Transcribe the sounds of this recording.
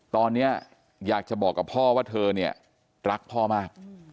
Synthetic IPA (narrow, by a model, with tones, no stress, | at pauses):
t̪ɔː˧nːi˦˥ɐ | jaː˨˩k̚t͡ɕa˨˩bɔː˨˩kːa˨˩pʰɔː˥˩waː˥˩t̪ʰɤː˧ni˥˩ɐ | ɾa˦˥k̚pʰɔː˥˩maː˥˩k̚